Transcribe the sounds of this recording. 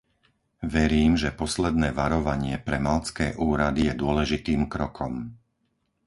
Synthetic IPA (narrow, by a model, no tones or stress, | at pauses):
ʋɛɾiːmʒɛpɔslɛd̪nɛːʋaɾɔʋaɲɪɛpɾɛmalt͡skɛːʔuːɾad̪ijɛd̪ʊɔlɛʒit̪iːmkɾɔkʰɔm